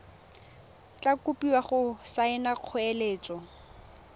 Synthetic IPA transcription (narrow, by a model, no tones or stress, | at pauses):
t͡ɬʼakupʼiwaχʊsaɪnaq͡χʰʊeleːt͡sʼɔ